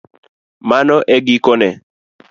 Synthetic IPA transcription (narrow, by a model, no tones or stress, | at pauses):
manɔʔɛɡɪkɔnɛ